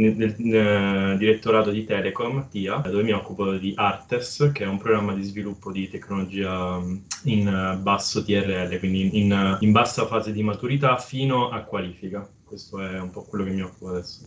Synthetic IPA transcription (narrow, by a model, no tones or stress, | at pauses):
el | d̪iɾet̪ːoɾaːt̪od̪it̪ɛːlekomt̪iːad̪oːvemiɔkːupod̪iʔart̪eskeɛumpɾoɡɾamːad̪izvilupːod̪it̪ekːnolod͡ʒiːa | inbasːot̪iɛrːeɛlːekwind̪iinimbasːafaːzed̪imat̪uɾit̪afiːnoʔakːwaliːfika | kwest̪oɛumpɔkːwelːokemːiɔkːupoad̪ɛsːo̥